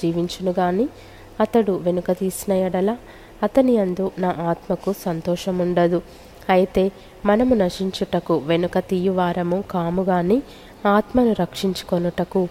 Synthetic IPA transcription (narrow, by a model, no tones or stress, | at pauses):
d͡ʒiːʋiɲt͡ʃunuɡaːni | ɐt̪ɐɽuʋe̞nukɐt̪iːsinɐjɐɽɐlaː | ɐt̪ɐniɐnd̪unaːʔaːt̪mɐkusɐnt̪ɔːʃɐmuɳɖɐd̪u | ɐjit̪e̞ː | mɐnɐmunɐʂiɲt͡ʃuʈɐkuʋe̞nukɐt̪ijuʋaːɾɐmukaːmuɡaːni | aːt̪mɐnuɾɐkʂiɲt͡ʃu̥konuʈɐku